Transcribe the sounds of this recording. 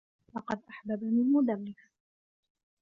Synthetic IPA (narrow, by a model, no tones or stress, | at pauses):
lɑqɑd̪ʔaħbabamɪlmʊd̪amːɪs